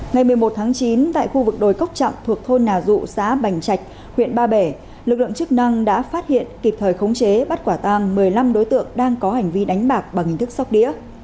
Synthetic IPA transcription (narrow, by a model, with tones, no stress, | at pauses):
ŋa˨˩jmɨ˨˩əjmo˨˩t̚t̪ʰaː˨˦ŋt͡ɕi˨˦nt̪a̰ː˧˨jxu˧vɨ˨˩k̚ɗo˨˩jkə˦˥k͡p̚t͡ɕa̰˧˨ŋ͡mt̪ʰɨ˨˩ək̚t̪ʰo˧jnaː˨˩zṵ˧˨sa̰ː˧˥ɓa˨˩jŋ̟t͡ɕa˨˩jk̟̚ | hwḭ˧˨ənɓaː˧ɓe˧˩ | lɨ˨˩k̚lɨ̰˧˨ŋt͡ɕɨ˦˥k̚na˧ŋɗa̰ː˧˥faː˦˥t̚hḭ˧˨ənki˨˩p̚t̪ʰəː˨˩jxə˨˦wŋ͡mt͡ɕe˨˦ɓə˦˥t̚kwaː˧˩t̪aː˧ŋmɨ˨˩əjla˧mɗo˨˦jt̪ɨ̰˧˨əŋɗaː˧ŋkɔ˨˦ha˨˩jŋ̟vi˧ɗa˨˦jŋ̟ɓaː˨˩k̚ɓaː˨˩ŋhi̟˨˩t̪ɨ˦˥k̚sa˦˥wk͡p̚ɗḭ˧˥ə